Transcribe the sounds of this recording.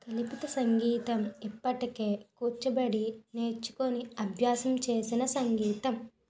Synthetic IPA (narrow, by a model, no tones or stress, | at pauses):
k̪ɐlipit̪ɐsɐŋɡiːt̪ɐmipːɐʈike̞ːkuːt͡ʃːɐbɐɽine̞ːɾt͡ʃːu̥koniɐbʱjaːsɐmt͡ʃe̞ːsinɐsɐŋɡiːt̪ɐm